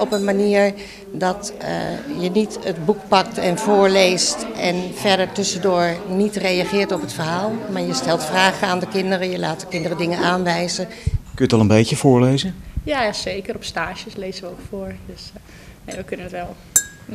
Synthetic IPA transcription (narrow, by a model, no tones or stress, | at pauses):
ɔpənmaniːəɹ | dɔt | jənitətbukpɑk̚tɛnvʊːɹlejstɛnfɛɹdəɹtɵsəndoːɹnitrejaχɪːɹtɔpətfəɹɦaːlˠmaːɹjəstɛlˠtfraːχəaːndəkɪndərəjəlaːt̚dəkɪndərədɪŋənaːnʋɛjzəkøjətɑlˠənbejcəvʊːɹlejzəjaːzejkəɾɔpstaːʒəslejzənʋəokfoːɹdəs | neːʋəkønənətʋɛlˠ